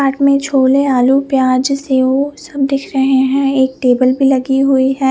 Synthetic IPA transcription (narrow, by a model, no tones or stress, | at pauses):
aːʈmẽt͡ʃʰoːleaːlupjaːd͡ʒseosɐb̚d̪ɪkʰɾɐɦeɦɛ̃eːk̚ʈeːbəlbʱilɐɡiɦʊiɦɛ̃ː